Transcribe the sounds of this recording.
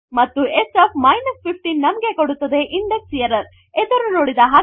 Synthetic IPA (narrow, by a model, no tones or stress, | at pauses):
mɐt̪ːuesɐpʰmɐjnɐspʰipʰʈinːɐmɐɡe̞koɽut̪ːɐd̪e̞ʔiɳɖeksijɐɾɐɾ | ed̪ɐɾunoːɽid̪ɐɦɐ